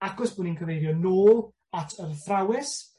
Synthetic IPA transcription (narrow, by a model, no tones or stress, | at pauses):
aɡɔsb̥uninkʰəvejdjɔnoːlˠ | atʰərθrawɪs